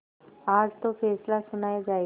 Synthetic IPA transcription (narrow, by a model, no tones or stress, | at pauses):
ad͡zt̪ofeslasunajd͡za